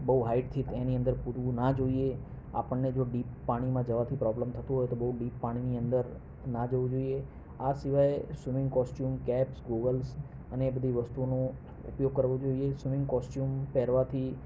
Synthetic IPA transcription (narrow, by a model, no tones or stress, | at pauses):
bəɦuɦaiʈt̪ʰit̪ẽniənd̪əɾpuɾʋũnad͡ʒoie | a̰pəɳːed͡ʒoɖipːaɽ̃imãd͡ʒəʋat̪ʰipɾɔbləmt̪ʰət̪ũɦojet̪obəɦuɖipːaɽ̃iniənd̪əɾ | nad͡ʒəʋũd͡ʒoie | asɪʋaeswɪmɪ̃ŋɡkɔsʈjumkɛpsɡoɡəls | əneːbəd̪ʱiʋəst̪uonõ | ṵpjoɡ̚kəɾʋod͡ʒoiesʋɪmɪ̃ŋɡkɔsʈjumpɛɦɾʋat̪ʰi